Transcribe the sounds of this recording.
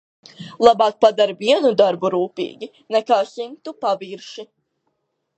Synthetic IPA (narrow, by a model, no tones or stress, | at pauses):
lˠabɑːk̚pad̪aɾviɛnud̪aɾbuɾuːpḭːɡʲi | nɛkaːsimt̪upaviɾʃi